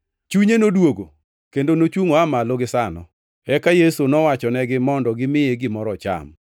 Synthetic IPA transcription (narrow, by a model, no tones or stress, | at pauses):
t͡ʃuɲenodwoɡo | kendonot͡ʃwuŋoamaloɡɪsanɔ̰ | ɛkajesonɔwat͡ʃɔnɛɡɪmɔndɔɡɪmɪeɡɪmɔɾɔt͡ʃa̰m